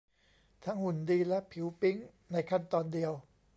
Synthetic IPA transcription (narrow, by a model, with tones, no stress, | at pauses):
t̪ʰa˦˥ŋhu˨˩˦ndiː˧lɛ˦˥ʔpʰi˩˦wpi˦˥ŋ | na˧jkʰa˥˩nt̪ɔː˧ndi˧əw